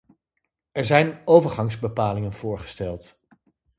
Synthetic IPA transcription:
ɛɹzɛjnowvəɹχɑŋzbəpaːlɪŋənv̥ʊːɹχə̥stɛlˠt

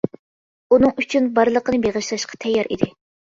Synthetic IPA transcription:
unɨŋyt͡ʃʰynbɑɾlˠəqənɨbeʁəʃlˠɑʃqʰɑ̥t̪ʰɛjːɑɾʔḭd̪ɪ

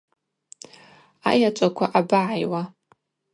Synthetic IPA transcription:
a̰jat͡ʃʷʼakʷʰaʔabaʕajwa

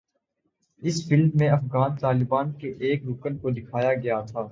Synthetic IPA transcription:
ɪsfɪlmːẽɐfɣaːnt̪aːlɪbaːnkeʔeːkɾʊkənkod̪ɪkʰaːjaɡɐjat̪ʰaː

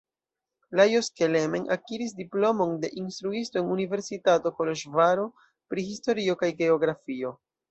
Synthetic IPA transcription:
lajoskelemenʔa̰kiɾis̬diplo̞mo̞nde̞ʔinstɾuisto̞enunive̞ɾsitato̞koloʃvaɾo̞ | pɾihisto̞ɾio̞kajɡe̞o̞ɡɾafio̞

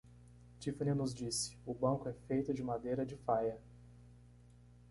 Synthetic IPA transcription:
t͡ʃifɐnẽnʊzd͡ʒisɪ̥ʊbɐ̃kʊɛfejt̪ʊd͡ʒɪmad̪ejɾɐd͡ʒɪfajɐ

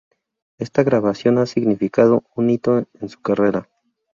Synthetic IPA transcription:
e̞st̪aɣɾaβasjo̞nasiɣnifikað̞o̞unːit̪o̞ensu̥kare̞ɾa

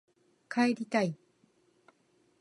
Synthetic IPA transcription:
kʰaeɾʲit̪ai

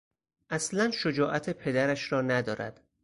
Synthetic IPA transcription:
ʔæslænʃod͡ʒɒːʔæt̪ʰepʰe̞d̪æɾæʃɾɒːnæd̪ɒːɾæ̰d̪̥

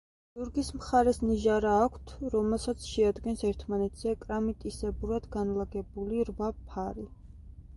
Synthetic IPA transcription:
d̪̥uɾɡismχaɾɛsniʒaɾaːkʷʰt̪ʰɾɔmɛlˠsat̪sʰʃɛad̪ɡɛnsɛɾt̪ʰmanɛt̪ʰz̥ɛkʼɾamit̪ʼisɛbuɾad̪̥ɡanlaɡɛbuliɾvapʰaɾi

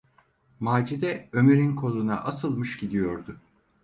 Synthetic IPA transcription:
maːd͡ʒid̪ɛømeɾinkʰo̞lˠuna̰ʔasɯlˠmɯʃɟid̪ijo̞ɾd̪ʊ

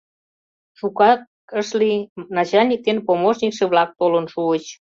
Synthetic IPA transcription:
ʃukɑk | əʃlinɑt͡ɕɑlʲnʲik̚t̪enpomoʃnʲikʃeβlɑk̚t̪olənʃuət͡ɕ

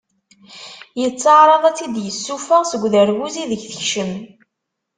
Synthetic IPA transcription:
jət͡sːɑʕɾˤɑðˤæt͡sːid̪jəsːufəʁsəɡʷːðəɾwuziðəʝθəçʃəm

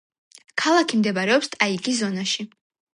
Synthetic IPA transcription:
kʰalˠakʰimd̪ɛbaɾɛɔpst̪ʼaikʼis̬zɔnaʃi

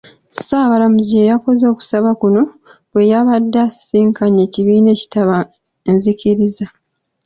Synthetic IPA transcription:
saβalamuziejako̞zo̞ːku̥saβakuno̞ | βwe̞jaβadːassiːŋkaɲe̞ːciβiːne̞ːci̥taβa | enziciɾiza

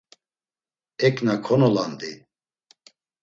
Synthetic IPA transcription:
ɛkʼnakʰɔnɔland̪i

